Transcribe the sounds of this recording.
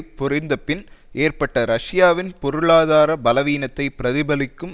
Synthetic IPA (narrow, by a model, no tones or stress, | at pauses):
pʊrɪnd̪ɐpɪnʔeːrpɐʈːɐɾɐʂɪjaːʋɪnpɔɾɯɭaːðaːɾɐbɐlɐʋiːnɐt̪ːɐɪpɪɾɐðɪbɐlɪkːɯm